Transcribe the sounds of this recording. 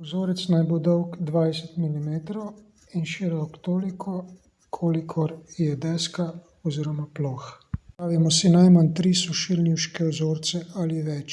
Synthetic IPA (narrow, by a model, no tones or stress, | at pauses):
ɔzoːɾɛt̪snajbod̪ɔwkd̪ʋajsɛt̪milimeːt̪ɾɔw | inʃiːɾɔkt̪oːlikʰɔ | kʰoːlikʰɔɾjɛd̪ɛska | ɔziːɾɔmaploxpɾaːʋimɔsinajmant̪ɾisɔʃilniwʃkɛɔzoːɾt̪sɛaliʋɛt͡ʃ